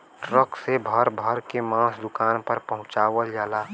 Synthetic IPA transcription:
ʈɾəksebʱəɾbʱəɾkemãːsd̪ʊkaːnpəɾpəɦʊ̃t͡ʃaːʋəld͡ʒaːlaː

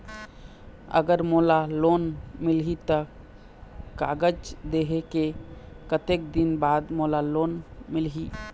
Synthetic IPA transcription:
ə̰ɡəɾmolalonmɪlɦit̪ə | ka̰ɡəd͡ʒd̪eɦeke | kət̪ek̚d̪inbaːd̪molalonmɪlɦi

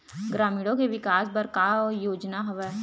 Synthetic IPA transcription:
ɡɾaːmiːɽõkeʋɪkaːsbɐɾkaːɔjoːd͡ʒnaɦʊʋɛː

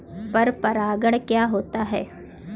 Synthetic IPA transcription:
pɐɾpɐɾaːɡəɽ̃kjaːɦoːt̪aɦɛː

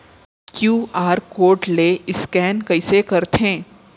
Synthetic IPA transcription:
kjuːaːɾkoːɾʈleːɪskɛːnkɐɪsekɐɾt̪ɦẽː

